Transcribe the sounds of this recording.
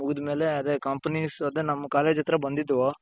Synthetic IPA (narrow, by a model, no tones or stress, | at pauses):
muɡud̪ɐme̞ːleɐd̪eːkɐːmpɐnisɐd̪enɐmːɐkaːleːd͡ʒɐt̪ɾɐbɐnd̪id̪ːʋoː